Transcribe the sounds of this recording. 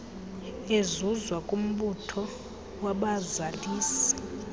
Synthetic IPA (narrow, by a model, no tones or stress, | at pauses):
ezuzwakʼum̩ɓutʰɔ | waɓazaliːsɛ̥